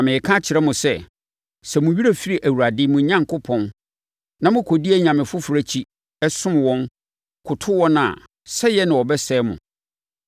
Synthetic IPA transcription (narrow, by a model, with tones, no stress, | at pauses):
ã˨mɪ̃˨kʰã˦t͡ɕʰɪ˨ɾɛ˦mʊ̃˨sɛ˦˨ | sɛ˨mʊ̃˨ɥi˦ɾe˦fi˦ɾi˨ʔæ˨wu˨ɾa˨dɪ˦mʊ̃˨˦ɲã˦ŋkʰʊ˦pʰɔ̃˦n | nã˨mʊ̃˦kʰo˨di˦æ˦ɲã˨mɪ̃˨fʊ˦fʊ˨ɾæ˦t͡ɕʰi˦ | ɛ˦sʊ̃˦m˨wɔ̃˦n | kʰʊ˨tʰʊ˦wɔ̃˦nã̰˨ | sɛ˦jɛ˦nɪ̃˨wɔ˨bɛ˦sɛː˦mʊ̰̃˨